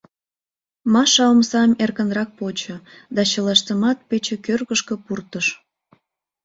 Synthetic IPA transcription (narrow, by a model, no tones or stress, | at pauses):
mɑʃɑmsɑmerkənrɑk̚pot͡ɕə̆ | d̪ɑt͡ɕəlɑʃt̪əmɑt̪̚pet͡ɕĕkørɣəʃkəpurt̪əʃ